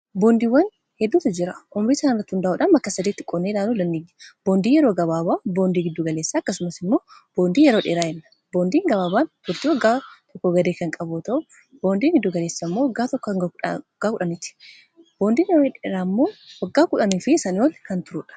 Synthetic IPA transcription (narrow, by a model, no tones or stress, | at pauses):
boːnd̪iːwːɐn | hɛd̪ːuːt̪ɐd͡ʒɪɾɐʔʊmɾiːsaːnɪrːɐt̪ːhʊnd̪ɐʔuːᶑɐnbɐkːɐsɐd̪iːt̪ːɪkʼɔnːeːlaːnuːlɐnːiːɡːɐ̥b̥oːnd̪iːjɛɾoːɡɐbaːbaːbo̞ːnd̪iːɡɪd̪ːuːɡɐleːsːaːɐkːɐsʊmɐsɪmːo̞ːb̥o̞ːnd̪iːjɛɾoːᶑeːɾaːɛnːɐ̥ | boːnd̪iːŋɡɐβaːbaːnt̪ʊɾt̪ɪwɔɡːaːt̪ʰɔkːɔɡɐd̪eːkɐŋkʼɐbot̪ɐʔʊ | b̥o̞ːnd̪iːɡɪd̪ːuːɡɐle̞ːsːaːmːowɐɡːaːt̪ɔkːɡaːkʊᶑɐnɪt̪ːɪ̥ | b̥oːnd̪iːnjɛɾoːɛᶑeɾaːmːo̞ːwɐɡːaːkʊᶑɐniːfɪsɐnɪɔlkɐnt̪ʊɾʊːᶑɐ̥